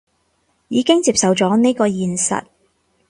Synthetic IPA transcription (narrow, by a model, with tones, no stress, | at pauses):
jiː˨˧kɪ˥ŋt͡siː˧p̚sɐ˨wt͡sɔː˨˥ne˥jkɔː˧jiː˨nsɐ̰˨t̚